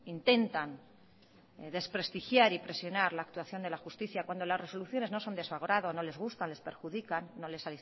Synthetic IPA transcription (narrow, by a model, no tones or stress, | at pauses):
int̪e̞nt̪an | ðe̞spɾe̞st̪ixjaɾipɾe̞sjo̞naɾlaːk̚t̪waθjo̞nd̪e̞laxust̪iθjakwand̪o̞lasre̞so̞luθjo̞ne̞zno̞so̞nd̪esfaɣ̞oɾaðo̞no̞le̞zɣust̪anle̞speɾxuðikanːo̞le̞saði